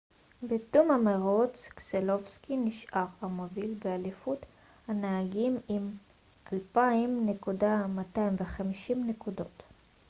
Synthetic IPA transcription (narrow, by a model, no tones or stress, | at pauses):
betumhameʁot͡skselofskiniʃʔaʁamovilbealifut | hanaaɡimim | ʔalpaimne̞kudamatajimveχamiʃimnekudo̞t